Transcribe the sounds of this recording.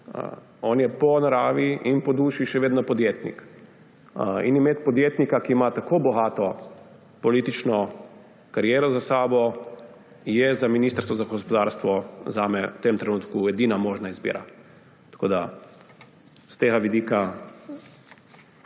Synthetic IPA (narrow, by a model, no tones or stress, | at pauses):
ɔːnjɛpɔnaɾaːʋiinpɔd̪uːʃiʃɛʋeːd̪nɔpɔd̪jeːt̪nḭk | ḭnimeːt̪pɔd̪jeːt̪nikakimat̪akoːbɔɣaːt̪ɔ | pɔliːt̪it͡ʃnɔ | kaɾjɛːɾɔzasaːbɔ | jɛzaminist̪əɾst̪ʋɔzaɡɔspɔd̪aːɾst̪ʋɔzaːmɛut̪eːmt̪ɾɛnuːt̪kuɛd̪iːnamoːʒnaizbḭːɾa̰ | t̪ḁkoːd̪a | st̪eːɡaʋid̪iːka